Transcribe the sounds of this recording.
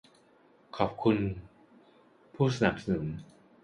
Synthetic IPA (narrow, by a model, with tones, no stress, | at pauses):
kʰɔː˨˩p̚kʰu˧n | pʰuː˥˩s̬a˧na˨˩k̚sa˧nɯ˩˦m